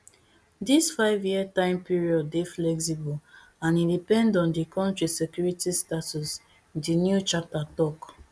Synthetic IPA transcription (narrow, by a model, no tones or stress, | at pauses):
disfaɪvjiətãɪ̃mpiɹiɔdːeflɛksibul | ãnĩndipɛ̃ndɔ̃ndikʰɔ̃ntɹisɛkjuɹitistatus | dinjut͡ʃap̚tatɔk